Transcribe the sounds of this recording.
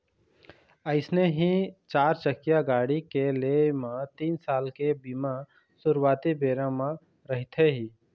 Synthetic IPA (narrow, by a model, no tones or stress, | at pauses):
əɪsneɦit͡ʃaːɾt͡ʃəkjaɡaːɽikelemãt̪iːnsaːlkebimã | sʊɾwaːt̪ibeːɾãmã | ɾɐɦɪt̪ʰeɦiː